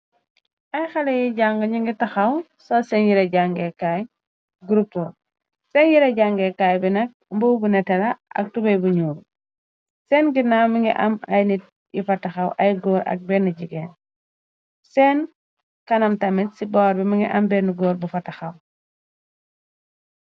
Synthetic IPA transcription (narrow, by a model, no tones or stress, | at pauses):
ɐjxɐlejiɟaŋɡɐɲiŋɡitɐxɐw | sɔsɛnjiɾɐɟaŋɡekaj | ɡuɾupːo | sɛnjiɾɐɟaŋɡekajbinɐk̚mbowbunɛtɐlaʔɐ̰k̚tubɐjbuɲuːɾ | sɛːnɡinamiŋɡiʔɐ̰ma̰jnit̚ | jḭfɐtaxɐwʔɐjɡoːɾʔɐ̰k̚bɛnːiɟiɡen | sɛːn | kɐnɐmtɐmitsibɔːɾbimiŋɡiʔɐmbɛnuɡoːɾbufɐtɐxɐw